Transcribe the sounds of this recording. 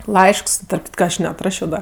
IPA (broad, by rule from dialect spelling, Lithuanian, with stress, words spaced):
ˈlˠɐɪʃks tɐrp ˈkʲɪtkɐ ˈɐʃ nʲɛɐtˈrɑːʃʲoː ˈdɐ